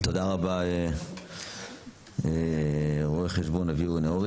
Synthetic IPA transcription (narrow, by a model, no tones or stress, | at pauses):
t̪od̪aʁabae | e | ʁoeχeʃbo̞naviueneoʁi